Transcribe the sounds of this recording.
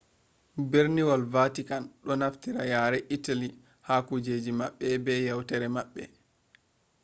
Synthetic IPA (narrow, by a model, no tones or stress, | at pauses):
beɾniwalvatikanɗɔnaftiɾajaːɾɛʔitali | haːkud͡ʒeːd͡ʒimaɓːɛbɛjawtɛɾɛmaɓːɛ̰